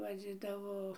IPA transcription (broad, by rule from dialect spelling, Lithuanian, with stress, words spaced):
ʋɐˈd͡zʲɪdɐʋoː